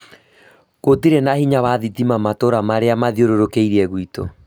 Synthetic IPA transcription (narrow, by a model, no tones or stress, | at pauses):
ɣotiɾenahiɲaβaðitimamatoɾamaɾeamaðioɾoɾokeiɾiɛɣwito̰